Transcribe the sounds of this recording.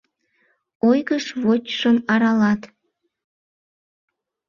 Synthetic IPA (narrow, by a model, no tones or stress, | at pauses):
ojɣəʃβot͡ɕʃənɑɾɑlɑt̪